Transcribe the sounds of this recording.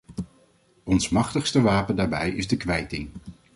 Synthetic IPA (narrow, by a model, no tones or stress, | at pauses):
ɔnsmɑχtəχstəʋaːpəndaːɹbɛjɪzdəkʋɛjtɪŋ